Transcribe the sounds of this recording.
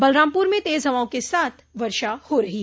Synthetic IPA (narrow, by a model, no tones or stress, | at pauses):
bɐlɾaːmpuːɾmẽt̪eːzɦɐʋaːõkesaːt̪ʰʋɐɾʃahoɾɐɦiː